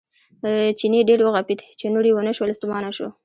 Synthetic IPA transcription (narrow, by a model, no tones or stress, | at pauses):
t͡ʃineɖeɾwəɣapid̪t͡ʃenuɽiwənəʃwəlst̪umɑnaʃo̰